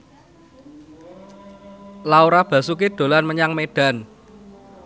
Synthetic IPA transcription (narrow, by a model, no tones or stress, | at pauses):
lauɾab̥ä̤suk̬id̪̥o̤lanməɲaŋmeɖ̥a̤n